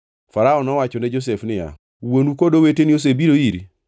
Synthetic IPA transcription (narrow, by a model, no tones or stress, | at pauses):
faɾaɔnɔwat͡ʃɔnɛd͡ʒos̬ɛfnɪja̰ | wonukodowetenios̬ebiɾoiɾi